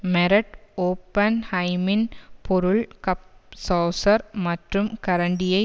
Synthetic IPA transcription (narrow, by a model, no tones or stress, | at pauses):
meɾɐʈoːpːɐnhɐjminpoɾuɭkɐpsoːsɐrmɐtrumkɐɾɐɳɖijɐ